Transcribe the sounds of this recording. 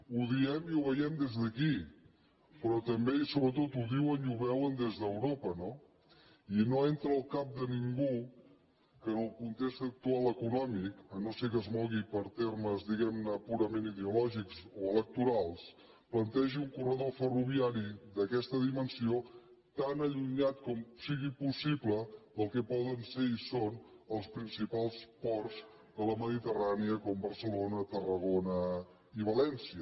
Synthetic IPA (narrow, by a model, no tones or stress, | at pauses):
uðiɛmiuβəjɛmd̪ezðəki | pɾɔt̪əmbesoβɾət̪ot̪uðiwəniuβɛwənd̪ezðəwɾopəno | inoent̪ɾəːlˠkap̚d̪əniŋɡu | kənəlˠkunt̪ekst̪ək̚t̪ualˠəkunɔmikənosekəzmɔɣipəɾt̪erməzðiɣɛmnəpuɾəmeniðeulɔʒiksoələk̚t̪uɾalˠs | plənt̪ɛʒiuŋkurəðofəruβ̞iaɾiðəkɛst̪əðimənsio | t̪anəʎuɲat̪kɔmsiɣipusipləðəlˠkɛpɔðənseisonəlˠspɾinsipalˠspɔrz | ðələməðit̪əraniəkɔmbəɾsəlonət̪ərəɣonə | iβ̞əlɛnsiə